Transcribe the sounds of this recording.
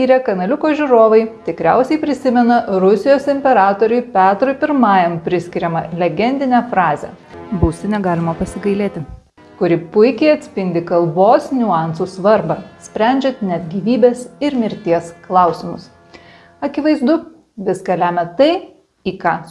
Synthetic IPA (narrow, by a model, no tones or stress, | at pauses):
iːɾʲɛkɐnɐlʲʊkoːʒʲʊɾoːʋɐɪt̪ʲɪkɾʲæ̰ʊsʲɛɪpʲɾʲɪsʲɪmʲɛnɐɾʊsʲɪjoːsɪmʲpʲɛɾɑːt̪oːɾʲʊɪpʲæːt̪ɾɔɪpʲɪɾmɑːjɛmpʲɾʲɪsʲkʲɪɾʲɛmɐlʲɛɡʲɛnʲd̪ʲɪnʲæːfɾɑːzʲɛ̰ | bʊːsʲɪnʲɛɡɑːlʲɪmɐpɐsʲɪɡɐɪlʲeːt̪ʲɪ | kʊɾʲɪpʊɪkʲɛɪɐt̪ʲsʲpʲɪnʲd̪ʲɪkɐlˠboːsnʲʊɑˑnsuːsʋɐɾbɑsʲpʲɾʲæˑnʲd͡ʒʲɛt̪nʲɛt̪ɡʲiːʋʲiːbʲeːsɪɾmʲɪɾʲt̪ʲiɛsklˠɑˑʊsʲɪmʊs | ɐkʲɪʋɐɪzd̪ʊ | ʋʲɪskɐlʲæːmʲɛt̪ɐɪ | iːkɑː